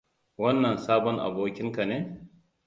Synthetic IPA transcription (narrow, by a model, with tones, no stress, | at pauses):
wɐ˦nːɐ˨nsaː˦bɔ˦ŋʔa̰˨boː˦kʲɪ˦ŋka˨neː˦